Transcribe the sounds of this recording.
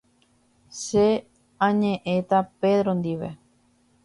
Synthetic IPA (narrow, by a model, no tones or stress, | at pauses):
ʃe | ãɲẽʔẽ̞t̪ape̞ðɾond̪iʋḛ